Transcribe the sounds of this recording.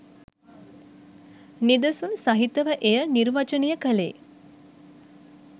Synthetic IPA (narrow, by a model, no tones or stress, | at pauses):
nid̪əsunsaɦit̪əʋəʔejəniɾʋat͡ʃənijəkəlḛː